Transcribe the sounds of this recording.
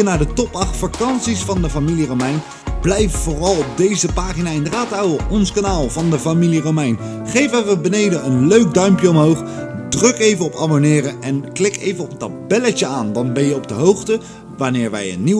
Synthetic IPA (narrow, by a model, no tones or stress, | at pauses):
ənaːɹdətɔpɑχtfakɑnsisfɑndəfamiliromɛjn | b̥lɛjffoːrɑlˠɔp̚dejzəpaːχinaːɪndəraːtawəɔnskanaːlˠvɑndəfamiliromɛjn | χejvənʋəbənejdəənløɥk̚dœɥmpjəɔmɦowχdrɵkejvəɔpɑ̰bonɪːrəʔɛnklɪkʰejvənɔpətabɛləcəaːndɑnbɛnjəɔb̚dəɦowχtə | ʋanɪːɹʋɛ̰jə̰nːi